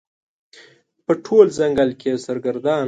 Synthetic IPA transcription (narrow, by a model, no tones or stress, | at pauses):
pəʈʰolzaŋɡalkʰesaɾɡaɾd̪ɑn